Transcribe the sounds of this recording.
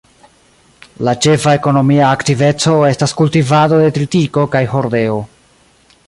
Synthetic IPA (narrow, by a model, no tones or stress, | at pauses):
lat͡ʃe̞fae̞ko̞no̞miaːktive̞t͡so̞e̞staskultivado̞de̞t̪ɾitiko̞kajɦo̞ɾde̞o